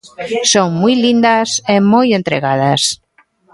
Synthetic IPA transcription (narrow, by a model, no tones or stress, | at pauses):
soŋmujlind̪asemojent̪ɾḛɣað̞as